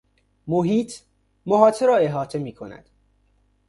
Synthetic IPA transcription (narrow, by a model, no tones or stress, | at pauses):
moɦiːt̪ʰ | moɦɒːt̪ʰeɾɒːe̞ɦɒːt̪ʰe̞miːkʰonæ̰d̪̥